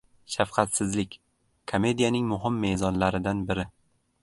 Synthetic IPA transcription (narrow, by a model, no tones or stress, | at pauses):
ʃafqʰɑt̪sɪzlɪkʲ | kʰome̞d̪ijanɪŋmʊɦɪmːe̞zɒnlaɾɪd̪anbɪɾɪ